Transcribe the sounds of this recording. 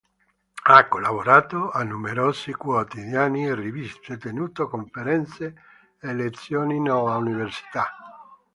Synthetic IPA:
akːolaβoɾaːt̪oanːumeɾoːsikwot̪iðjaːnierivist̪et̪enuːt̪okoɱfeɾɛnt̪se | elet̪sːjoːninɔvauniversi̥t̪a

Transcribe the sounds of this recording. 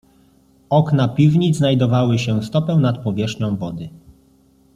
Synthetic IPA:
ɔknapʲivɲid̪znajd̪ɔvawɘɕɛst̪ɔpɛw̃nat̪̚pɔvʲjɛʂɲɔ̃w̃vɔd̪ɘ

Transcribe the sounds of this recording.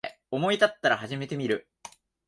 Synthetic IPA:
e | o̞mo̞it̪at̪ːaɾaɦaʑime̞t̪e̞mʲiɾɯ̟

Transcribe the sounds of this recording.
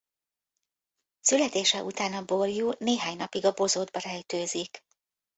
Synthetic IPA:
sylɛt̪eːʃɛʔut̪aːnɒbo̞rjuːneːɦaːɲnɒpiɡɒbo̞zoːd̪̚bɒɾɛjt̪øːzik

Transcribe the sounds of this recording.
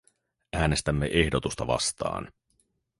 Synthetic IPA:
æːne̞st̪æmːe̞ʔe̞hdo̞t̪ust̪ɑʋɑ̰st̪ɑ̰ːn

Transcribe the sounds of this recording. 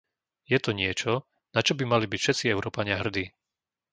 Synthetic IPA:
jɛt̪ɔɲɪɛt͡ʃɔ | nat͡ʃɔbimalibicfʃɛt̪t͡siɛʊɾɔːpaɲɪaɦr̩d̪iː

